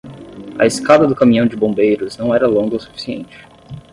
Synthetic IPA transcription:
ɐ̰ɪskad̪ɐd̪ʊkamĩɲɐ̃w̃d͡ʒɪbõbejɾʊznɐ̃w̃ɛɾɐlõŋɡɐosu̥fi̥siḛ̃nt͡ʃɪ̥

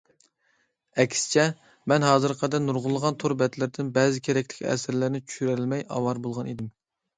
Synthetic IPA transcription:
ɛkʲsɪ̥t͡ʃʰɛ | mɛnɦɑːzɨɾqʰɑd̪ɛnuɾʁʊlˠːəʁɑnt̪ʰoɾbɛt̪lɪɾd̪ɪnbɛːzɪkʲʰeɾɛkʲt̪ʰɪ̥kʲɛ̰sɪɾlɪɾnɪt͡ʃʰy̥ʃyɾæɾɪlmɛjɑ̰wɑɾbolˠʁɑnid̪ɪm

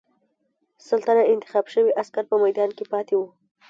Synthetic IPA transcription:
səlt̪anaɪnt̪ɪ̥xɑbʃəwiʔaskaɾpəmajd̪ɑnkepɑt̪ewu

